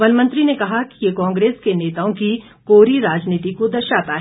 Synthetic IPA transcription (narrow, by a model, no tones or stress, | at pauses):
ɐnmə̃nt̪ɾinekɐɦakijekɔ̃ːŋɡɾeːskeneːt̪aõki | koːɾiɾaːd͡ʒniːt̪̬ikod̪ɐʃaːt̪aɦ